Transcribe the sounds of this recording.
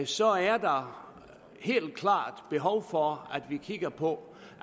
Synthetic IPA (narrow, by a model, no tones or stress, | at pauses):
sɒ̽æɐd̥ɑ̈ | he̝̰ːld̥̚kʰlɑ̰̈ːd̥b̥e̝ɦɒʊfɒæd̥ʋikʰiɡ̥ɐpʰɒ̽